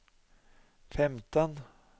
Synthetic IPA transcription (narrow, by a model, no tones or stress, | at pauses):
fɛmt̪ɔn